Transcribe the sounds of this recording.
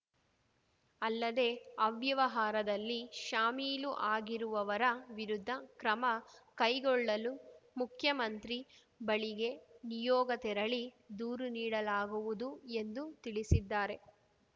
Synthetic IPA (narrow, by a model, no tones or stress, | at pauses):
ɐlːɐd̪e̞ːɐʋjɐʋɐɦaːɾɐd̪ɐlːiʃaːmiːluʔaːɡiɾuʋɐʋɐɾɐʋiɾud̪ʱːɐkɾɐmɐkɐjɡɔɭːɐlumukʰjɐmɐnt̪ɾi | bɐɭiɡe̞nijɔːɡɐt̪ɛɾɐɭi | d̪uːɾuniːɽɐlaːɡuʋud̪ue̞nd̪ut̪iɭisid̪ːaːɾe̞